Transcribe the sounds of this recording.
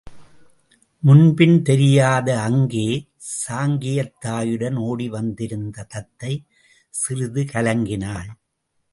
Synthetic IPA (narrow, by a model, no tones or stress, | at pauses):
mʊnbɪnt̪ɛɾɪjaːðɐɐŋɡeː | saːŋɡɪjɐt̪ːaːjɯɽɐnoːɽiʋɐnd̪ɪɾɯnd̪ɐt̪ɐt̪ːɐɪ | sɪrɯðɯkɐlɐŋɡɪnaːn